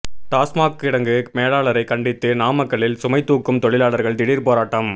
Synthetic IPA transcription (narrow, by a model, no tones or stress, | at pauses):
ʈaːsmaːkɪɽɐŋɡɯmeːɻaːɭɐɾɐɪkɐɳɖɪt̪ːɯnaːmɐkːɐɭɪlsʊmɐɪt̪ːuːkːɯmt̪ɔɭɪlaːɭɐɾɣɐɭd̪ɪɽiːɾpoːɾaːʈːɐm